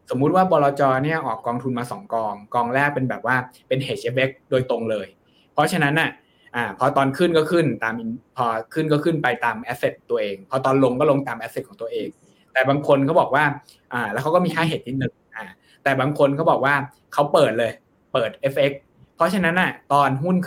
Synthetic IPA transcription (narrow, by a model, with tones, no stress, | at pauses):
so˩˦mːu˦˥t̪̚waː˥˩bɔː˧lɔː˧t͡ɕɔː˧ni˥˩ɐʔɔː˨˩kːɔː˧ŋt̪ʰu˧nmaː˧sɔ̰˩˦ŋkɔː˧ŋkɔː˧ŋlɛː˥˩k̚pe˧nbɛː˨˩p̚waː˥˩pe˧nheː˨˩t̪̚t͡ɕi˦˥we˦˥k̚doː˧jt̪o˧ŋlɤː˧j | pʰɔ˦˥t͡ɕʰa˧na˦˥nʔa˨˩ | ʔaː˨˩pʰɔ˧t̪ɔː˧nkʰɯ˥˩nkɔː˥˩kʰɯ˥˩nt̪aː˧mʔi˨˧˥pʰɔ˧kʰɯ˥˩nkɔː˥˩kʰɯ˥˩npa˧jt̪aː˧mʔɛ˦˥se˨˩t̪ːu˧ɐʔeː˧ŋpʰɔ˧t̪ɔː˧nlo˧ŋkɔː˥˩lo˧ŋt̪aː˧mʔɛ˦˥se˨˩t̪̚ʰɔː˩˦ŋt̪u˧ɐʔeː˧ŋ | t̪ɛː˨˩baː˧ŋkʰo˧nkʰa˦˥˩bɔː˨˩k̚waː˥˩ | ʔaː˨˩lɛː˧˦˥wkʰa˦˥kɔ˥˩miː˧haː˥˩ɦeː˨˩t̪̚ʰːi˥˩nɯ˧ŋʔaː˨˩ | t̪ɛː˨˩baː˧ŋkʰo˧nkʰa˦˥˩bɔː˨˩k̚waː˥˩ | kʰa˦˥wpɤː˨˩t̪̚lɤː˧j | pɤː˨˩t̪̚ʔe˦˥pʔe˦˥k̚ | pʰːɔ˦˥t͡ɕʰa˧na˦˥nːʔa˨˩t̪ɔː˧nɦu˥˩nʰ